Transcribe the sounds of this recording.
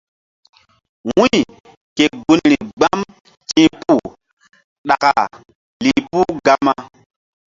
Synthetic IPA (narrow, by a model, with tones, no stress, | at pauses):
wũ˦˨ | ke˨ɡu˦nɾi˨ɡ͡ba˦m | t͡ʃĩ˦pu˦ | ɗa˨ka˨ | li˨pu˦ɡa˦ma˦